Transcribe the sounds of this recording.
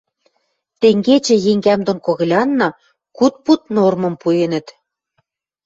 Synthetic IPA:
t̪eŋɡet͡ɕĕjeŋɡæmd̪onkoɣɤ̆lʲɑnːɑ | kut̪̚put̪̚normɤ̆mpujenə̆t̪

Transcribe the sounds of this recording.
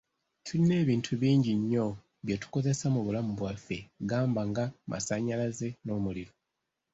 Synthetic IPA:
tʰuline̞ːβiːntʰuβiːɲɟiɲːo̞ | βjetu̥ko̞ze̞samuβulamuβwafe̞ɡaːmbaŋɡamʔa̰saɲalaze̞no̞ːmuliɾo̞

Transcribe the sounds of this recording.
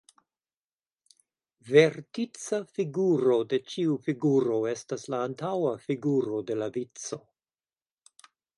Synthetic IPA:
ve̞ɾtit͡safiɡuɾo̞de̞t͡ʃiufiɡuɾo̞e̞staslaːntawafiɡuɾo̞de̞lavit͡so̞

